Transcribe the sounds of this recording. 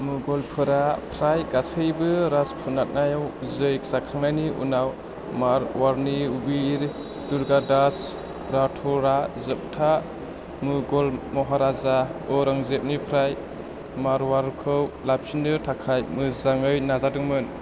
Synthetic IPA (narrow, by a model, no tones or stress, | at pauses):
mɯɡɔlpʰɯɾapʰɾajɡasɯjbɯɾaspʰunat̚najawzɯjk̚sakʰaŋnajniʔṵnaw | maɾwaɾniubiɾ | duɾɡadas | ɾatʰɔɾazɯp̚tʰa | mɯɡɔlmɔɦaɾazaɔɾaŋzep̚nipʰɾaj | maɾwaɾkʰɯwlap̚sindɯɾtʰakʰajmɯzaŋɯjnazadɯŋmɯn